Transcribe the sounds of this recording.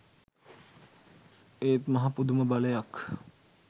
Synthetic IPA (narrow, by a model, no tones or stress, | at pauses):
eːt̪mɐɦapud̪uməbaləjak